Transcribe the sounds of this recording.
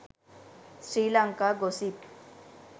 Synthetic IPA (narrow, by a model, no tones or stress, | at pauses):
sɾiːlaŋkaɡosip